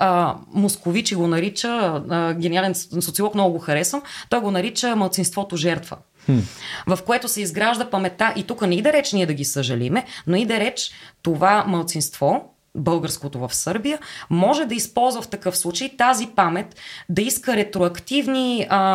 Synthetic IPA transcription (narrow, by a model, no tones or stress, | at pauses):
əmoskovit͡ʃiɡonɐɾit͡ʃəɡʲɛnialɛnsot̪siolˠɔknɔɡʊɡoxɐɾɛsənt̪ɔjɡonɐɾit͡ʃəmɐlˠt̪sinst̪vɔt̪oʒɛɾt̪və̰ | vɐfkoɛt̪ʊsɛizɡɾaʒd̪əpɐmɛt̪aʔit̪ukənɛid̪ɛɾɛt͡ʃniɛd̪ɐɡʲisəʒɐlḭmɛnoid̪ɛɾɛt͡ʃt̪ovamɐlˠt̪sinst̪vɔ | bɤlˠɡəɾskot̪ovɐfsɤɾbijəmɔʒɛd̪ɐispɔlˠzvəft̪ɐkɤfslˠut͡ʃəjt̪azipamɛt̪d̪ɐiskəɾɛt̪ɾoɐkt̪ivniə